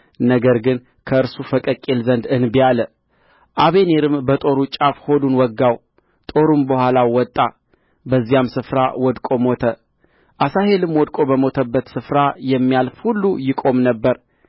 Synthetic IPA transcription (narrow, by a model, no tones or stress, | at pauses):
nəɡəɾɡɨn | kʰəɨɾsufəkʼəkʼelzənd̪ɨnbijalə | ʔaβe̞ne̞ɾɨmbət̪ʼo̞ɾut͡ʃʼafho̞d̪unwɔɡːaw | t̪ʼo̞ɾumbəhʷalawɔt̪ʼːa | bəzːijamsɨfɾa̰wɔd̪kʼo̞mo̞t̪ʰə | ʔasaɦe̞lɨmwɔd̪kʼo̞bəmo̞t̪ʰəbːət̪sɨfɾajɛmːijalfhulːujɪkʼo̞mnəbːəɾ